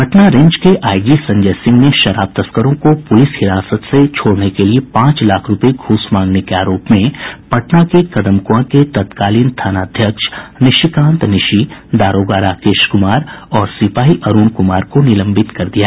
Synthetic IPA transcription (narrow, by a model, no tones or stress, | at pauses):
pɐʈnaɾɪ̃ɲd͡ʒkeʔaːɪɡisɐ̃ɲd͡ʒəːsɪ̃ŋɡneʃɐɾaːb̚t̪ɐskəɾõkopʊlɪshɪɾaːsət̪set͡ʃʰoːɽnekeliepãːt͡ʃlaːkʰɾʊpeɡʱuːsmãːŋɡnekeaːɾoːpmẽpɐʈnakekɐd̪əmkʊãket̪ɐt̪kaːliːnt̪ʰaːnad̪ʱjəkʃnɪʃɪkãːnt̪nɪʃid̪aːɾoːɡaɾaːkeːʃkʊmaːɾɔːɾsɪpaːiʔɐɾuːnkʊmaːɾkonɪlɐ̃mbɪt̪kɐɾd̪ijaɦ